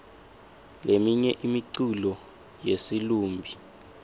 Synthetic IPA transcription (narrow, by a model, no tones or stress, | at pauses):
lemiɲɛʔimiǀulɔ | jesiluːmbʱi